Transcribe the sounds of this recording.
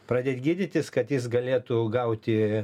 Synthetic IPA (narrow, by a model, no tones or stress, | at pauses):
pɾɐːd̪ʲeːt̪ʲɡʲiːd̪ʲɪt̪ʲɪskɐt̪jɪs̬ɡɐlʲeːt̪uɡɐʊt̪ʲɪ